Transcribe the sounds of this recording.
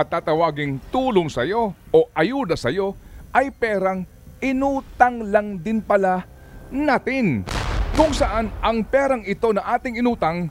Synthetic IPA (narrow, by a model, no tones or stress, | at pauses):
ʔɐt̪ːaːt̪ɐwaːɡɪŋt̪uːloŋsɐjo̞ʔoʔɐjuːd̪ɐsɐjo̞ʔɐjpɛːɾɐŋ | ʔɪnuːt̪ɐŋlɐŋd̪ɪnpɐla | naːt̪ɪnkʊŋsɐʔanʔɐŋpɛːɾɐŋɪt̪o̞nɐʔaːt̪ɪŋɪnuːt̪ɐŋ